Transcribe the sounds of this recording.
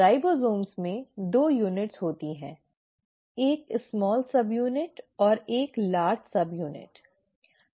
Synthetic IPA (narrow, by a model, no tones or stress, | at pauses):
aːɪbozoːmsmẽd̪oːjuːnɪʈsɦoːt̪iɦɛ̰̃ː | eːksmɔːlsɐbjuːnɪʈɔːɾeːklaːɾd͡ʒsɐbjuːnɪ̰ʈ